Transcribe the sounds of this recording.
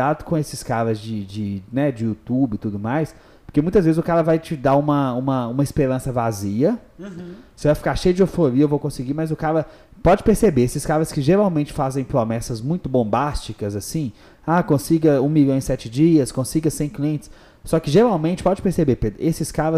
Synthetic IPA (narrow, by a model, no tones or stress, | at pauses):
ad̪ʊkõesɪskaɾɐzd͡ʒɪd͡ʒɪnɛd͡ʒɪut̪ubɪt̪ud̪ʊmajs | poɾkemũt̪ɐzvezɪzʊkaɾɐvajt͡ʃɪd̪aũmɐũmɐũmɐɪspeɾɐ̃sɐvaziɐ | sɪevajfi̥kaɾʃejʊd͡ʒɪofoɾiɐewvowkõsɪɡimɐzʊkaɾɐ | pɔd͡ʒɪpeɾsebeesɪskaɾɐskɪʒeɾawmẽnt͡ʃɪ̥fazẽj̃pɾomɛsɐzmũj̃t̪ʊbõmbast͡ʃikɐzasĩ | akõsiɡɐũmiʎɐ̃w̃ɪ̃sɛt͡ʃɪd͡ʒiɐskõsiɡɐsẽj̃kliẽnt͡ʃɪ̥sː | ɔkɪʒeɾawmẽt͡ʃɪ̥pɔd͡ʒɪpeɾsebeɾped̪ʔesɪskaɾɐ